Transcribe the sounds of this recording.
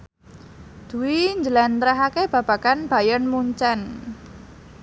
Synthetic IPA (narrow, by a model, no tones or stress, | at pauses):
d̪̥ṳwiɲd͡ʒəlɛnt̪ɾaɦakeb̥ä̤b̥ä̤kanb̥a̤jɔnmuɲt͡ʃɛn